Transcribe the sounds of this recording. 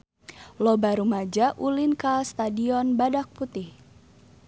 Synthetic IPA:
lɔbaɾumad͡ʒaʔulinkast̪adiɔnbadak̚put̪ɪh

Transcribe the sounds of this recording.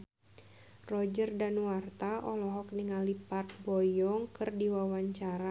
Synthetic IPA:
rɔd͡ʒərdanuwart̪aʔɔlɔɦɔk̚niŋalipart̪̚bɔjɔŋkɨrdiwawaɲt͡ʃaɾa

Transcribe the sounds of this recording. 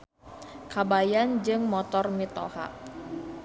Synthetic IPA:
kabajand͡ʒɨŋmɔt̪ɔrmit̪ɔ̰ha̰p̚

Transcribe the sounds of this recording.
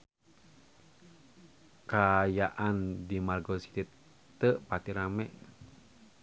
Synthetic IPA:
kajaʔandimarɡosi̥t̪it̪ | əʔpat̪iɾamɛʔ

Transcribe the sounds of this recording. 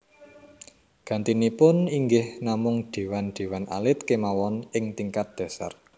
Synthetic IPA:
ɡ̥ä̤nt̪inipʊniŋɡɪhnamʊŋd̪̥e̤wand̪̥e̤wanʔa̰lɪt̪̚kemawɔnɪŋt̪iŋkat̪̚d̪̥ɛ̤sa̰r

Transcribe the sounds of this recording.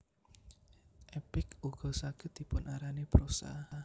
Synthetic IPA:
ʔɛpɪkuɡ̥ɔ̤saɡ̥ɪt̪̚d̪̥i̤pʊnaɾanepɾosa̰a

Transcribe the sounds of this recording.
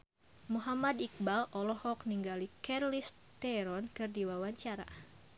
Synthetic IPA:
muɦamad̪ik̚balʔɔlɔhɔkniŋɡalikɛrlis | t̪ɛɾɔnkɨrdiwawaɲt͡ʃaɾa̰

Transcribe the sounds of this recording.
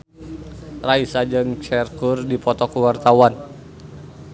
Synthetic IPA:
raisad͡ʒɨŋt͡ʃɛrkurdipɔt̪ɔkuwart̪awan

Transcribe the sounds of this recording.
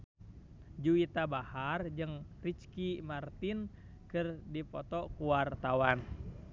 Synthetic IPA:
d͡ʒuit̪abahard͡ʒɨŋrit͡ʃkimart̪in | kɨrdipɔt̪ɔkuwart̪awan

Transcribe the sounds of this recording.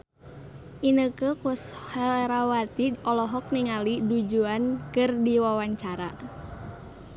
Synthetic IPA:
ʔinəkəkushaɾawat̪iɔlɔɦɔk̚niŋalidud͡ʒuankɨrdiwawaɲt͡ʃaɾa

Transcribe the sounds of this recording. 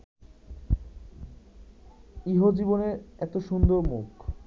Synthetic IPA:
iɦod͡ʑiboneɾɛt̪oʃund̪oɾmuk

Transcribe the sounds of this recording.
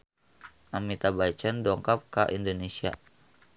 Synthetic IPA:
ʔamit̪abat͡ʃandɔŋkap̚kaʔindonesia̰

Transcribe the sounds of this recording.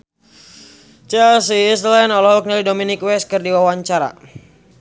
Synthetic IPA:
t͡ʃɛlsislɛnɔlɔɦɔk̚nilidɔminikwɛskɨrdiwawaɲt͡ʃaɾa̰

